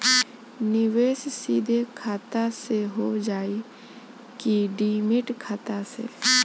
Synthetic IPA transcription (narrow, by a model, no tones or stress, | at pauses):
nɪʋeːssiːd̪ʱekʰaːt̪aseɦoːd͡ʒaːi | kiɖiːmɪʈkʰaːt̪asḛ